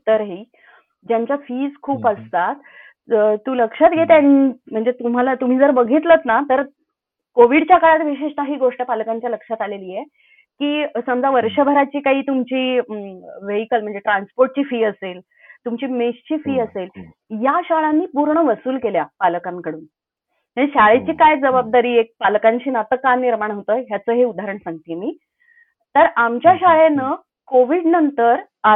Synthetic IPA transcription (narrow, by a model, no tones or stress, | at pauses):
t̪əɾɦiː | d͡ʑjaɲt͡ɕjafiːd͡zkʰuːpəst̪at̪ | t̪ːuːləkʂat̪ɡʱet̪anm̤əɳd͡zet̪um̤alat̪um̤iːd͡zəɾbəɡʱit̪lət̪nat̪əɾ | koʋiɽt͡ɕjakəɭat̪ʋiɕeʂt̪aɦiːɡoʂʈəpalkaɲt͡ɕjaləkʂat̪aleliːje | kiːsəmd͡zaʋəɾʂəbʱəɾat͡ɕiːkaɦiːt̪umt͡ɕiː | ʋeɦikəlm̤əɳd͡zeʈɾanspoɾʈ̚t͡ɕiːfiːəsel | t̪umt͡ɕiːmeɕt͡ɕiːfiːəsel | jaɕaɭanːiːpuɾɳəʋəsuːlkeljapalkaŋkəɽuːn | aɕaɭet͡ɕiːkajd͡zəbab̚d̪aɾiːek̚palkãɲt͡ɕiːnat̪əkːaniɾmaɳɦot̪əːɦjat͡səːɦeud̪ʱaɾəɳsãŋɡt̪imiː | t̪əɾamt͡ɕjaɕaɭenə | koʋiːɖnənt̪əɾ | a